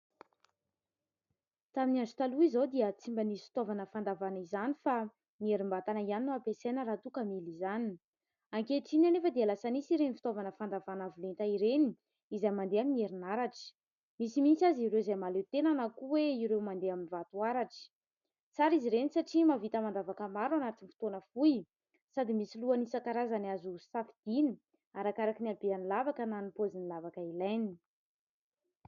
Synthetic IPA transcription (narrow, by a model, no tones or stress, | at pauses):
t̪aminiand͡zu̥t̪aluizod̪iət͡simbənizfi̥t̪ovanəfand̪avanizanifa | mieɾimbat̪anaianinuapesenəɾat̪ukəmilizani | aŋkeʈ͡ʂinanefəd̪ealasanisiɾenifi̥t̪ovanəfand̪avanavulent̪aiɾeni̥ | izajmand̪eaminieɾinaɾaʈ͡ʂi̥ | misimint͡saziɾewizajmalewt̪enanakuweiɾewmand̪eaminivat̪uwaɾaʈ͡ʂi̥ | saɾiziɾenisaʈ͡ʂimavit̪əmand̪avakəmaɾuanat̪infi̥t̪onəfuj | sad̪imisiluanisakaɾazanazusafid̪̥ini | aɾakaɾakiniabeanilavakənanipozinilavakəilajni̥